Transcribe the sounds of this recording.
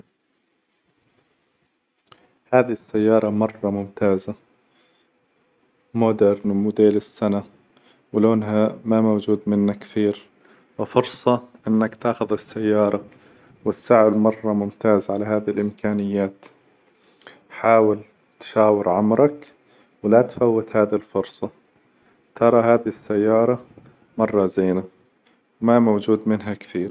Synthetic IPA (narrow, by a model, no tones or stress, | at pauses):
haːðiɪsːajːɑːɾˤɑmɑrˤːɑmʊmt̪aːza | mod̪eɾnmʊd̪eːlɪsːana | wɪloːnɦamamowd͡ʒuːd̪mɪnːakːθiːɾ | wɪfʊɾsˤɑʔɪnːakt̪aːxʊðɪsːajːɑːɾˤɑ | wɪsːaʕɪlmɑrˤːɑmʊmt̪aːzʕalaɦaːðhɪlʔɪmkʰaːnɪjːaːt̪ | ħaːwɪl | t̪ʃaːwɪɾʕamɾɑk | wlat̪fawːɪt̪haːðɪlfʊɾsˤɑ | t̪ʰɑɾˤɑɦaːðɪɪsːajːɑːɾˤɑ | mɑrˤːɑzeːna | wmamawd͡ʒuːd̪mɪnɦakθiːɾ